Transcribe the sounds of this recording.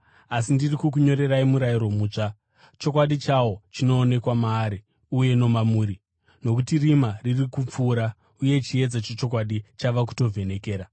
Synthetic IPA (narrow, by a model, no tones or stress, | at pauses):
asindirikukuɲo̞ɾe̞raimuɾajiɾo̞muːt͡ʂa | t͡ʃo̞kwaɗit͡ʃawo̞t͡ʃino̞ːne̞kwamaːɾi | uje̞no̞mamuːɾi | no̞kutirimaririkup͡fuːɾa | uje̞t͡ʃie̞d͡zat͡ʃot͡ʃo̞kwaɗit͡ʃaʋaku̥to̞vʱe̞ne̞ke̞ːɾa